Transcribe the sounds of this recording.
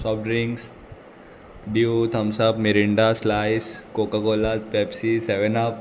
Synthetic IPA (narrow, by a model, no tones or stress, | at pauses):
sɔːp̚ʈɾiŋɡs | ɖjut̪ʰɐmsabmeɾiɳɖaslaːjskoːkakoːlat̪̚pepsiseʋenap̚